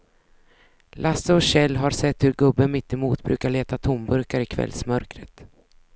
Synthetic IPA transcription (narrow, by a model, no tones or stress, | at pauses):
lʔasəɔɕɛlːɦaɾsɛt̪ːhɵɾɡɵbːənmɪt̪ːɪmuːt̪bɾʉ̟ːkaɭeːt̪at̪ʰʊmbɵɾkaɾɪkʰvɛ̰lsmœɾkɾət̪